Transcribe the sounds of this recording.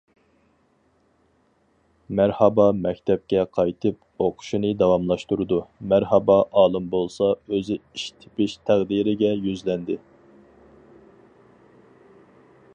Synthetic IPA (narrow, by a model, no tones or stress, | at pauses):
mæɾhɑbɑmɛkʲt̪ʰɛp̚kʲɛqʰɑjt̪ʰɨp̚ | oqʰʊ̥ʃinɨd̪ɑwɑmlˠɑʃt̪uɾɨd̪umæɾhɑbɑʔɑːlˠɨmbolˠsɑøzɪiʃt̪ʰɪ̥pɪʃt̪ʰæʁd̪iɾɪɡʲɛjyzlɛnd̪ɪ